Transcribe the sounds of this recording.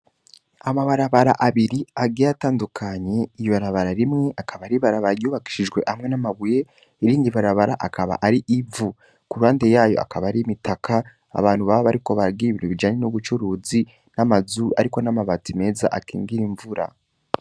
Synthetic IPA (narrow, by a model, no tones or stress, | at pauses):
amaβaɾaβaɾaʔaβiɾiaɡejataːndukʰaɲe̞ijiβaɾaβaɾaɾimŋe̞ʔakaβaɾiβaɾaβaɾajuːβaki̥ʃiʒɡwe̞̰ʔamŋe̞namaβuje̞ | iɾiːndiβaɾaβaɾaʔakaβa̰ʔaɾiʔivu | kuɾaːnde̞jaːjo̞̰ʔa̰kaβaɾimitakʰa | a̰βaːn̥huβaβaβaɾiko̞βaɾɡiiβiɾuβid͡ʒaɲenuβut͡ʃuɾuːzi | namazuʔa̰ɾikonamaβatime̞ːza̰ʔakiːŋɡiɾiɱvuɾa̰